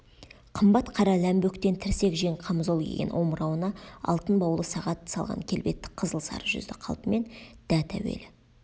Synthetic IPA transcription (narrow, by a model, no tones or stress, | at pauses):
qʰəmbɑt̪qʰɑɾɑlæmbɵkt̪e̞nt̪ʰɪɾse̞kʒeŋqʰɑmzo̞lˠkʲʰḛɡʲenʔwo̞məɾɑwənɑɑ̰lˠt̪ənbɑwlˠəsɑʁɑt̪sɑlˠʁɑ̰ŋkʲʰe̞lbe̞t̪ːɪ̥kqʰəzəlˠsɑ̰ɾəʒʏ̰zd̪ɪqʰɑ̰lˠp̪əme̞nd̪̥æt̪ʰæwḛlɪ